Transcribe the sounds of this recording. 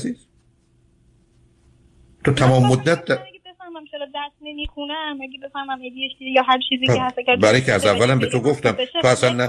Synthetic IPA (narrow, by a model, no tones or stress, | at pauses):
i | t̪ʰot̪ʰæmɒːmːod̪ːæt̪̚d̪æɡʲebefæhmæmt͡ʃʰelɔd̪æst̪nemiːxunæmæɡebe̞fæhmæmæɡejek̪ijɒːɦæmt͡ʃʰiːzihæst̪æɡæɾbæɾikʰeæɾzævːælæmbet̪ʰoɡoft̪æmoæɾsænnæ